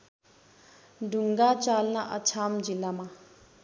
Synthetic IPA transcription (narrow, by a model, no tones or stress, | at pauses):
duŋɡat͡ʃalnaʔat͡ʃʰamd͡ʑilama